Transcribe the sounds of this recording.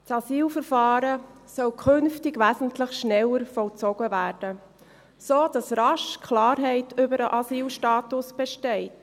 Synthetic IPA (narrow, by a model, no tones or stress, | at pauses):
tsɑsiːlfəɾfɑːɾə | sœwkʰʏnftɪɡʋæːzən̩tləχʃnɛlːəɾfɔlt͡sɔɡ̥əvæːɾd̥ə | soːd̥ɑsɾɑʃkʰlɑːɾɦɛɪtʰʏbəɾəʔɑsiːlʃtɑːtʊsb̥ɛʃtɛɪt